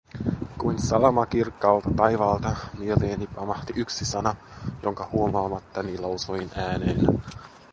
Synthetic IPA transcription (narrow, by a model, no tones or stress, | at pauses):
kujnsɑlɑmɑkirkːɑːlt̪ɑt̪ɑjʋɑːlt̪ɑmieleːnipɑmɑht̪iʔyksisɑnɑjo̞ŋkɑhuomɑːmɑt̪ːɑnilɑusoinæːneːn